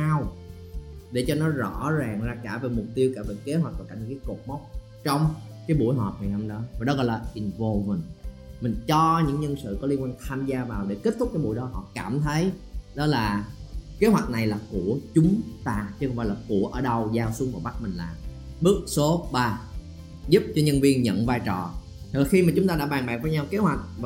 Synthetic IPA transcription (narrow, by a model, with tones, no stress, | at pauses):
aː˧w | ɗe˧˩t͡ɕɔ˧nɔ˨˦zɔ̰˧˥zaː˨˩ŋzaː˧kaː˧˩ve˨˩mʊ˨˩k͡p̚t̪i˧əwkaː˧˩vḛ˧˨˩ke˨˦ɦwa˨˩k̚t̪ːjkaː˧˩ɲɨ˧ŋkaː˨˦jko˨˩t̚mɔ˦˥wk͡p̚ | t͡ɕɔ˧wŋ͡mkaː˨˦jɓu˧˩əjɦɔ˨˩p̚haː˨˩jna˧mɗɔ˨˦va˨˩ɗɔ˨˦ɣɔ̰˧˨laː˨˩ʔi˨˩nvo˨˩mï˨˩ŋmï˨˩ŋ̟t͡ɕɔ˧ɲɨ̰˧˥ŋɲə˧nsɨ̰˧˨kɔ˨˦li˧əŋkwaː˧ŋt̪ʰaː˧mzaː˧vaː˨˩wɗe˧˩ke˦˥t̚t̪ʰʊ˦˥k͡p̚kaː˨˦jɓu˧˨jɗɔ˨˦ɦɔ̰˧˨kaː˧˩mt̪ʰə˨˦jɗɔ˨˦laː˨˩ke˨˦ɦwa˨˩t̚na˨˩jlaː˨˩ku˧˩ət͡ɕʊ˨˦ŋ͡mt̪aː˧t͡ɕkva̰˨laː˨˩ku˧˩əʔəː˧˩ɗə˧wzaː˧wsu˨˦əŋvɔ̰˨˧˩ɓa˦˥k̚mï˨˩ŋ̟laː˨˩ | ɓɨ˦˥ək̚so˨˦ɓaː˧˩ | zu˦˥p̚t͡ɕɔ˧ɲə˧nvi˧ənɲə̰˧˨nvaː˧jt͡ɕɔ˨˩ | t̪̚ʰla˨˩xi˧maː˨˩t͡ɕʊ˨˦ŋ͡mt̪aː˧ɗa̰ː˧˥ɓaː˨˩nɓa̰ː˨k̚vəː˨˦jɲa˧wke˨˦hwa˨˩jk̟̚v